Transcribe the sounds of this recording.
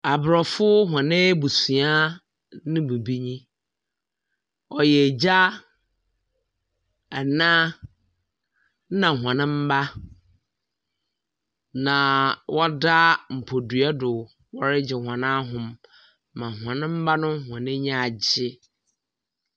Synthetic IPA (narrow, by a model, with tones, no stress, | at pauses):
a˨bɾɔ˨fʊ˦ɦã˨nɪ̃˦bu˨sũ˨a˦ | nɪ̃˦bu˨bi˦ɲĩ˦ | ɔ˨jɛ˨d͡ʑa˦ | ɛ˨nã˦ | nã˨ɦwã˨nɪ̃˦m̩˦ba˦ | nã˨wʔɔ˦da˦m̩˨pʰo˨dɥa˦dʊ˨ | wɔ˨ɾɪ˦d͡ʑɪ˨hã˨nã˦ɦʊ̃˨mː | ã˨ɦwã˨nɪ̃˦m̩˦ba˦nʊ̃˦hã˨nɪ̃˦ɲã˦˨a˨d͡ʑɪ˦